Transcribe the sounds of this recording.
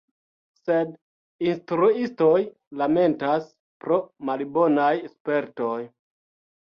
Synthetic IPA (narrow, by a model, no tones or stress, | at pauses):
se̞d | instɾuisto̞j | lame̞ntas | pɾo̞malibo̞najespe̞ɾto̞j